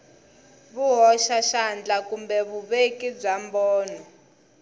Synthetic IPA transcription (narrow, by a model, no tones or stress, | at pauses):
βuɦɔʃaʃand͡ɮakumbɛβuβekib͡ʐambɔːnɔ